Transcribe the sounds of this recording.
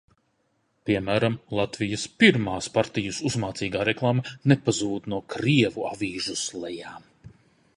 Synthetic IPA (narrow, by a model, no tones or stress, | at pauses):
piɛmæːɾamlˠat̪vijɐspiɾmaːspaɾt̪ijusuzmaːt̪siːɡaːɾɛklˠaːmanepazuːd̪nuɔkɾiɛvuavʲiːʒuslˠɛjaːm